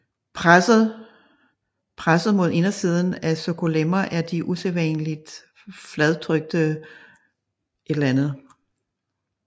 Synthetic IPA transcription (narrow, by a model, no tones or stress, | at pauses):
s̩ | pʰʁasð̞̩ˠmo̝ð̞ˠe̝nɐsið̞ˠn̩æsokʰo̝lemɐʔæɐd̥iʔuseʋɛnlid̥ | flɛð̞ˠt͡sʰʁœɡ̥̚d̥ə | ʔe̝ɾ̥lɐænð̞̩ˠ